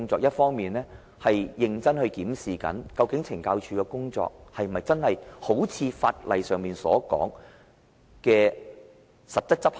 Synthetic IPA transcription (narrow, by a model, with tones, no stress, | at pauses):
ŋt͡sɔː˧k̚jɐ˥t̚fɔː˥ŋmiː˨nlɛː˥ | hɐ˨jjɪ˨ŋt͡sɐ˥nhɵ˧ɥkiː˨˥msiː˨kɐ̰˨˥nkɐ˧wkɪ˨˥ŋt͡sʰɪ˨˩ŋkaː˧wt͡ʃʰyː˧kɛː˧kʊ˥ŋt͡sɔ̰ː˧k̚hɐ˨jm̩˨ɐ˨jt͡sɐ˥nhɐ˨jho˨˥wt͡sʰiː˨˧fa̰ː˧t̚lɐ˨jsœː˨ŋmiː˨˩nsɔ̰ː˨˥kɔ̰ː˨˥ŋ | kɛː˧ | sɐ˨t̚t͡sɐ˥t̚t͡sɐ˥p̚